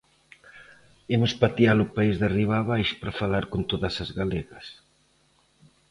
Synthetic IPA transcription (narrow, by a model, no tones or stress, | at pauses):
emʊspat̪ialʊpaizðariβ̞aːβ̞ajʃʊ̥pɾafalaɾkont̪oðɐsɐzɣaleɣɐs